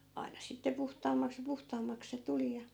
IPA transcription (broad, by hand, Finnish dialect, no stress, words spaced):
ɑi̯nɑ sitːe puhtɑːmːɑks jɑ puhtɑːmːɑks se tuli jɑ